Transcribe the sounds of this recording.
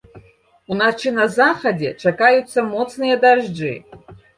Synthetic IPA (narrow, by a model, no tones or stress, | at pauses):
unaʈ͡ʂʰɨnazaχɐdʲḛʈ͡ʂʰakajut͡s̪ːɐmot͡s̪nɨjɐd̪aʐd͡ʐɨ̰